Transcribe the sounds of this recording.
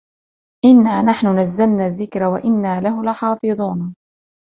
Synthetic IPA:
ʔɪnːaːnaħnʊnazːalnaːðːɪkɾawaʔɪnːaːlaɦʊlɪħɑːfɨðˤuːna

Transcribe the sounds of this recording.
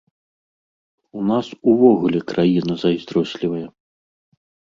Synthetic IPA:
unasuvɔɣulʲɛkɾʔajinɐzɐjzʲd̪ɾɔsʲlʲivɐjɐ

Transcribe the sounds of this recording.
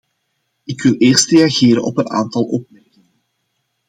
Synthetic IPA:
ɪkʋɪleːrstrejaɣeːɾə̰nɔ̰pəna̰ːnt̪ɑlˠɔp̚mɛrkɪŋən

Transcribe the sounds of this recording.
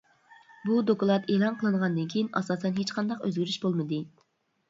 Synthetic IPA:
bud̪okulˠɑt̪ʰeːlˠɑnqʰəlˠɨnəʁɑnd̪ɨnkʲʰijinʔɑ̰sɑːsɛnɦet͡ʃqʰɑnd̪ɑqø̰zɡʲyɾyʃbolˠmɨd̪ɨ

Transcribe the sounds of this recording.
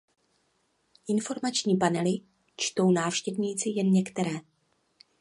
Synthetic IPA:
ʔɪnfo̞ɾmat͡ʃɲiːpanɛlɪ | t͡ʃt̪o̞wnaːfʃcɛvɲiːt͡sɪjɛnɲɛkt̪ɛɾɛː

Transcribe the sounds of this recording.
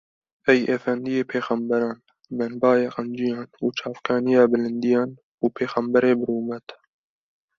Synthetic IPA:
ʔɛjeːfɛnd̪ijeːpʰeːxɑmbɛɾɑːn | bɛnbɑːjeːqɑnd͡ʒijɑːnuːt͡ʃʰɑːfkʰɑːnijɑːbɨlɨnd̪ijɑːn | uːpʰeːxæmbɛɾeːbɨɾuːmɛt̪

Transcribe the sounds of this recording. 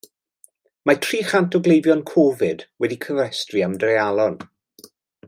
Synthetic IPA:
matʰriːχantʰɔɡlejvjɔnkʰɔvɪd̥wɛdikʰəvɛstriamdrealˠɔn

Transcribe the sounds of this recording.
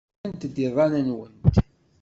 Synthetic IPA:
nt̪d̪iðˤɑnənwənt̪

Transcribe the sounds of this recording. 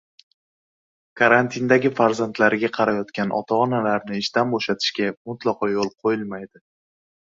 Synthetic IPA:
kʰaɾant̪ʰind̪aɡʲɪfaɾzant̪laɾɪɡʲaqʰɑɾajɒt̪kʲanʔɒ̰t̪ʰɒɒnalaɾnɪːʃt̪anboʃat̪ʰɪ̥ʃkʲamʊt̪lˠɒqʰɒjolˠqʰojɪlmajd̪ɪ

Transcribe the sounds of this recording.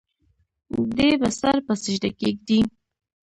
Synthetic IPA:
d̪ebasaɾpəsɪʒɖakeɡ̚d̪i

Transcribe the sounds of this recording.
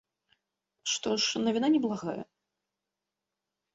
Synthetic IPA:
ʂt̪ɔʂnɐvʲinanʲɛblˠaɣajɛ̰

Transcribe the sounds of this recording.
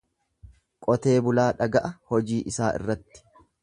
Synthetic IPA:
kʼɔt̪e̞ːbʊlaːᶑɐɡɐʔɐhɔd͡ʒiːʔɪsaːʔɪ̰rːɐt̪ːɪ̥

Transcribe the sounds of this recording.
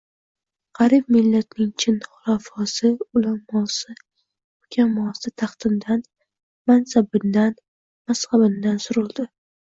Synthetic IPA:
qɑɾib̚mɪlːat̪̚nɪŋt͡ʃʰɪnχʊɾafɒsɪʊlamɒsɪ | ʊkʲʰamːɒsɪt̪ʰɑχt̪ʰɪnd̪an | mansabɪnd̪an | masχabɪnd̪ansʊɾʊlˠd̪ɪ

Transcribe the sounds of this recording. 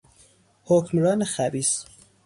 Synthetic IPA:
hocmɾɒːnexæbiːs

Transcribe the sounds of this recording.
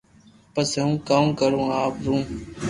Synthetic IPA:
pəseũːkãːũːkəɾũːaːpɾũː

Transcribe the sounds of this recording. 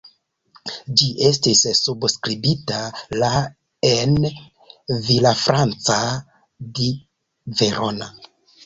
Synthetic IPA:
d͡ʒiʔe̞stisːubskɾibitala | en | vilafɾant͡sa | di | ve̞ɾʔo̞na

